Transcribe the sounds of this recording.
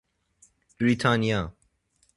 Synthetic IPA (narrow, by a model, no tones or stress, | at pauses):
b̥ɾit̪ʰania